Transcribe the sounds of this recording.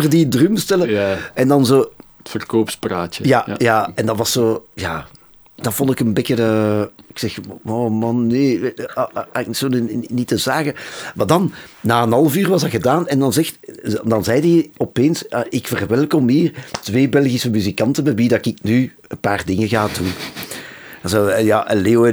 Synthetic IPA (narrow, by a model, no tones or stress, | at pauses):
ərdidrymstɛləɛndɑnzoː | tfərkoːpspraːtəjaːjaːɛndɑtʋɑsːoːjaː | d̥ɑvɔndɪkənbɪkədəɪksɛxoːmɑnːeː | aɪkntsoːnnitəzaːɣəmaːdɑnːaːənɑlˠəvyːrʋɑsɑɣədaːnɛndɑnzɛxtdɑnzɛjdəɔpeːnsaʔɪkfərʋɛlˠkɔmiːrtʋeːbɛlˠɣisəmyzikɑntəmɛtʋidɑkɪkny | ənpaːrdɪŋəɣaːdun | soːjaːʔəleːoɛ